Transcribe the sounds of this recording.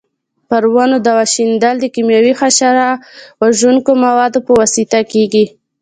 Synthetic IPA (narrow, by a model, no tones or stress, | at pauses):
pəɾwanod̪awaʃind̪ald̪əkimjawixaʃaɾawaʒuŋkomawɑd̪opəwɑsit̪akeɡi